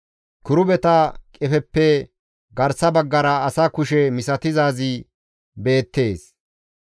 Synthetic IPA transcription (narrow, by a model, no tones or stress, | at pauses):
kʊɾʊbɛt̪ɐkʼɛfɛpːɛ | ɡɐɾsɐbɐɡːɐɾɐɐsakʊʃɛmɪsɐt̪ɪzaːzɪ | be̞ːt̪ːe̞ːs